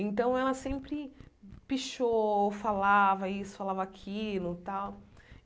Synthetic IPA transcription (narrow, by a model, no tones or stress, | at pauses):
ẽnt̪ɐ̃w̃ɛlɐsẽmpɾɪpiʃofalavɐisʊ̥falavɐakʰilʊt̪aw